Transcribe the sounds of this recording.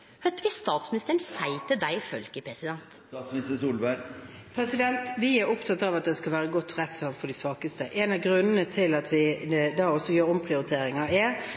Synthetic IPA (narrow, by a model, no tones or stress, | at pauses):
hœt̪ːʋɪst̪ɑːt̪smɪnɪst̪əɾɳ̩sæɪt̪əd̪æɪfœ̰lkəpʰɾɛsɪd̪ɛnt̪ː | smnɪst̪əsuːlbæpʰɾɛsɪd̪ɛnt̪ʋɪæɾʊpt̪ʰɑt̪ːɑʋɑt̪̚d̪ɛskɑlʋæːɾəɡɔt̪ʰːʁɛt̪sʋɑnsfɔɖɪsʋɑːkəst̪əʔɛːnɑʋɡɾʉnːənət̪ʰɪlɑt̪ʰʋɪd̪ɑːɔsːɔjøːɾɔmpʰʁɪʊɾɪt̪ʰeːɾɪŋɑɛ